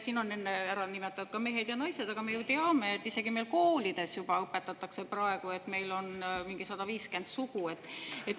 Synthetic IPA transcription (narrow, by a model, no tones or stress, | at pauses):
siːno̞nːe̞nːeæɾɑnimet̪ːˑɑnud̪̥̚kɑme̞ɦed̪jɑnɑjse̞d̪̥ɑɡ̥ɑme̞jut̪eɑmeet̪ˑːise̞ɡ̥ime̞jlko̞ːlid̪̥e̞sjub̥ɑɤpːe̞t̪ːɑt̪ːˑɑkse̞prɑe̞ɡ̥ue̞t̪ːme̞jlo̞nmiŋɡ̥isɑd̪̥ɑviːske̞nd̪̥suɡ̥ue̞t̪ːˑet̪ː